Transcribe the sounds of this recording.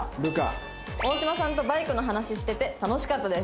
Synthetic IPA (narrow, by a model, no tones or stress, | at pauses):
ɾɯ̟ka̰ | o̞ːɕimasãnt̪o̞baikɯ̟no̞ɦanaɕiɕi̥t̪e̞t̪e̞t̪ano̞ɕi̥kat̪ːad̪e̞s